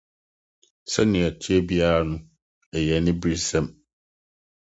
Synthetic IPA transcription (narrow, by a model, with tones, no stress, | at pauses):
sɛ˦nɪ̃˨æ˨tʰi˦ɛ˦bi˦aː˦ɾa˦nʊ̃˦ | ɛ˨jɛ˨nɪ̃˦bi˦ɾsɛ̃˦m